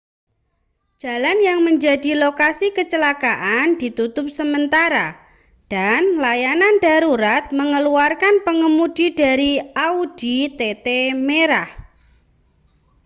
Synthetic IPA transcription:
d͡ʒ̥a̤lanjaŋməɲd͡ʒadilokasikət͡ʃəlakaʔandit̪ut̪ʊp̚səmənt̪aɾa | d̥anlajanandaɾuɾat̪̚məŋəluarkanpəŋəmudidaɾiaud̥it̪et̪emeɾah

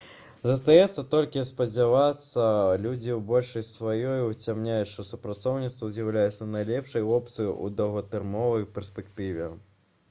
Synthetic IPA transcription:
zɐs̬t̪ajɛt̪sːɐt̪ɔlʲkʲispɐd͡zʲavat̪sːɐlʲud͡zʲiwbɔlʲʂɐjsvajɔjut͡sʲamnʲajutʂt̪ɔsupɾat̪sɔwnʲit̪st̪vɐzʲjɐwlʲajɛt̪sːɐnɐjlʲɛpʂɐjvɔp̚t̪sɨṵd̪ɐɣɐt̪ɨrmɔvɐjpʲɛrspʲɛkt̪ɨvʲɛ

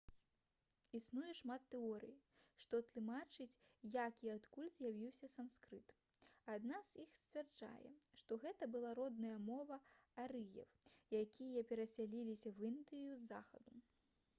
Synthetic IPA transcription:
isnujɛʂmat̪ːɛɔɾɨ̰jiʂt̪ɔt̪lˠɨmat͡ʂɨt͡sʲjakiat̪kulʲzʲjavʲiwsʲɐsamskɾɨt̪ | ad̪nazjixsʲt͡sʲvʲɛrd͡ʐa̰jɛ̰ʂt̪ɔɣɛt̪ɐbɨlˠaɾɔd̪nɐjɐmɔvɐaɾɨjɛ̰wjakʲijɐpʲɛɾɐsʲalʲilʲisʲɐwind̪ɨjuzːa̰xɐ̰d̪u

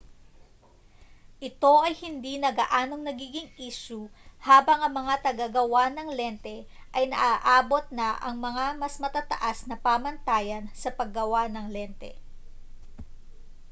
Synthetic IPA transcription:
ʔɪt̪o̞ʔɐjhɪnd̪inɐɡaʔaːno̞ŋnɐɡiːɡɪŋʔiːʃuhaːbɐŋɐŋmɐŋat̪ɐɡaɡɐwanɐŋlɛnt̪ɛʔɐjnɐ̰ʔaʔaːbo̞t̪̚nɐʔɐ̰ŋmɐŋamɐsmɐt̪at̪ɐ̰ʔasnɐpaːmɐnt̪aːjɐnsɐpɐɡːɐwanɐŋlɛnt̪ɛ̰

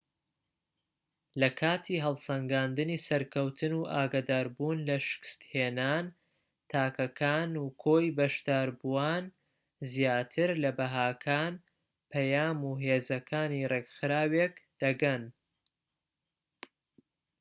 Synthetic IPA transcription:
lɐkʰaːt̪ʰiːɦɐlˠsɐŋɡaːnd̪ɨnisɐɾkʰɐwt̪ʰɨnuːʔaːɡad̪aːɾbuːnlɐʃɪ̥kɨ̥st̪heːnaːn | t̪ʰaːkɐkʰaːnukʰoːjbɐʃd̪aːɾbuwaːn | zjaːt̪ʰɨɾlɐbɐɦaːkʰaːn | pʰɐjaːmuːɦeːzɐkʰaːnireɡxɨɾaːwekd̪̥ɐɡɐn

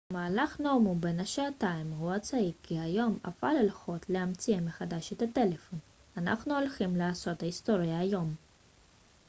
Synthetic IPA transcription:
maːlaχnomube̞naʃaat̪aimhuat͡saikʰːiajo̞ma̰falelχo̞t̪leamt͡siemeχad̪aʃet̪at̪e̞le̞fo̞n | ana̰χnuo̞lχimlaaso̞t̪haist̪o̞ʁjaːjo̞m

